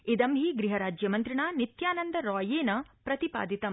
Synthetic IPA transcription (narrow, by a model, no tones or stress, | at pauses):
id̪ɐmɦiːɡɾiɦɐɾaːd͡ʒjɐmɐnt̪ɾiɳaːnit̪jaːnɐnd̪ɐɾɔːjeːnɐpɾɐt̪ipa̰ːd̪it̪ɐm